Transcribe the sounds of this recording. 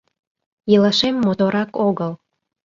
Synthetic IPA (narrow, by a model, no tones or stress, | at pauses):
jələʃemːot̪oɾɑkoɣəl